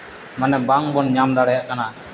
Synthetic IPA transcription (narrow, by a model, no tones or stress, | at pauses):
manɛbaŋbɔnɲamd̪aɽɛjaʔkana